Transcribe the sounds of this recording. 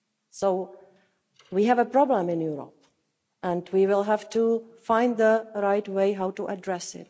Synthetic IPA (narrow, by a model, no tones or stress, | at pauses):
soʊ | wiɦɨvəpʰɹ̥ɑblə̃mɪ̃njuɹə̰p̚ | ə̃ndwiwɪlˠɦæftʰufãɪ̃nd̪ðəɹaɪtweɪɦaʊtuʔədɹɛsɪ̰t̚